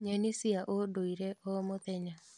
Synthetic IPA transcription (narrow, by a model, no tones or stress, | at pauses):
ɲenisiaʔodoiɾɛʔɔmotɛɲa